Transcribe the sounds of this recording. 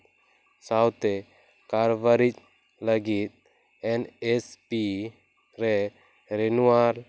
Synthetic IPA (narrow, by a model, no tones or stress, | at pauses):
sawt̪ɛ | kaɾbaɾit͡ʃ | ləɡit̪̚ | ɛnɛspi | ɾɛ | ɾɛnuwaɾ